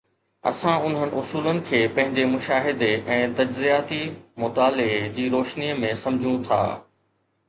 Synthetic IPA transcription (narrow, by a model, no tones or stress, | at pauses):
ɐ̰sãʊn̤ənɪ̆ʔʊsuːlənɪ̆kʰeːpɐ̃ɦɪ̃ɲd͡ʑemʊʃaːɦɪd̪eɛ̃ːt̪ɐd͡ʑzijaːt̪imʊt̪aːlɪɦd͡ʑiːɾoːʃniːəmẽsɐ̃md͡ʑʱũt̪ʰa̰ː